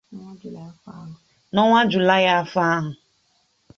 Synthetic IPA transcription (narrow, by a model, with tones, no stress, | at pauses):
nɔ˦ŋa˦d͡ʒlfa˦ɦ | nɔ˦ŋʷa˦d͡ʒʊ˨la˦ja˦fa˦ɦʊ˨